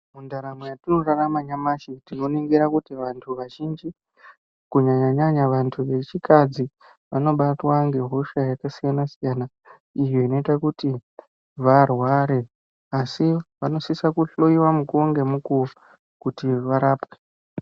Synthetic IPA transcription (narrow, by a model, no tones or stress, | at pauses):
mundaɾamwejatino̞raramaɲamaʃitino̞niŋɡiɾakutiʋantʰuʋaʒind͡ʒi | kuɲaɲaɲaɲaʋantʰuʋe̞t͡ʃikad͡zi | ʋano̞ɓatwaŋɡe̞ɦo̞ʃajakasijanasijana | ijo̞ino̞itakuti | ʋarwaɾe̞ | asiʋano̞sisakuɬoiwamukoŋɡe̞muku | kutiʋaɾaːpwe